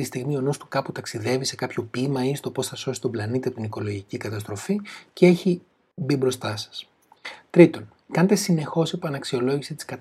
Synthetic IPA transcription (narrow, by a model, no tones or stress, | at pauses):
ist̪iɣmio̞nust̪u̥kɐput̪ɐksiðe̞vise̞kɐpço̞pimɐist̪o̞po̞sθɐso̞si̥t̪o̞mblɐnit̪ɐp̚t̪iniko̞lo̞ʝicikɐt̪ɐst̪ɾo̞ficee̞çi | bibɾo̞st̪ɐsɐ̥s | t̪ɾit̪o̞n | kɐnet̪e̞sine̞xo̞sepɐnɐksio̞lo̞ʝisit̪i̥skɐt̪